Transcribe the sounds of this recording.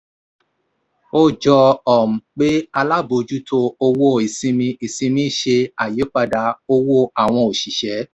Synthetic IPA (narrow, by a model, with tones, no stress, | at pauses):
o˦d͡ʒɔ˧ɔ˨m̩̃˨k͡pe˦a˧la˦bo˧d͡ʒu˦tʰo˧o˧wo˦˨i˨sĩ˧mĩ˧i˨sĩ˧mĩ˦ʃe˧a˨je˨˦k͡pa˧da˧o˧wo˦a˦˨w̃ɔ̃˧o˨ʃi˨ʃɛ˨˦